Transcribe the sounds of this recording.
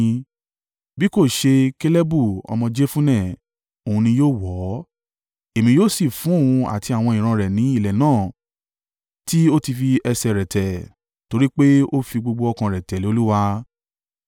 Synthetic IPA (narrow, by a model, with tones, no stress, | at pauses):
bi˨˦ko˦˨ʃe˧ke˦le˦bu˦˨ɔ̰˧mɔ̃˧d͡ʒe˦fũ˦nɛ̃˦˨ | o˨ũ˧nĩ˧joː˦˨wɔ˨˦ | e˨mĩ˧joː˦si˦˨fũ˨˦o˦˨ũ˧a̰˨tʰi˧a˨w̃ɔ̃˧ĩ˨ɾ̃ã˧ɾɛ˨nĩ˨˦i˦˨lɛ˨nãː˦˨ | ti˦o˦ti˧fi˧ɛ˧sɛ˧˨ɾɛ˨tɛ˨ | to˧ɾi˦k͡pe˦o˦fi˧ɡ͡bo˧ɡ͡bo˧ɔ˧kã˧ɾɛ˨tɛ˨li˨˦o˦lu˦wa˧